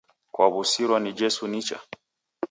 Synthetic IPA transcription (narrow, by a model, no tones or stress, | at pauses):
kwaβusiɾwanid͡ʒɛsunit͡ʃa̰